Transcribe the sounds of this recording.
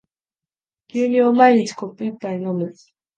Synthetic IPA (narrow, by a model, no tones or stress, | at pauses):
kʲɨːɲʲiomaiɲʲit͡ɕi̥kopːɯipːainõmɯ